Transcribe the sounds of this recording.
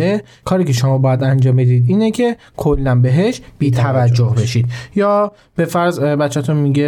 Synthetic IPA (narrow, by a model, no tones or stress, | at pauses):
e | kʰɒːɾiːcʰe̞ʃomɒːbɒːjæd̪ænd͡ʒɒːmbed̪iːd̪iːnecʰe̞ | kʰolːænbe̞ɦe̞ʃb̥iːt̪ʰævæd͡ʒːohbe̞ʃid̪̚jɒː | be̞fæɾzbæt͡ʃʰːæt̪ʰunmiɡe